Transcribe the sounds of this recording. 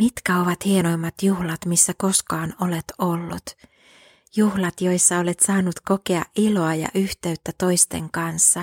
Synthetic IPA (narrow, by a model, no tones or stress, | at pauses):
mit̪kæo̞ʋɑt̪hieno̞jmːɑt̪juhlɑt̪misːæko̞skɑːnole̞t̪olːṵt̪ | juhlɑt̪jo̞jsːɑole̞t̪sɑːnːut̪ko̞keɑ̰ʔʔilo̞ɑjɑ̰ʔyht̪e̞yt̪ːæt̪o̞jst̪e̞̰ŋkɑnsːɑ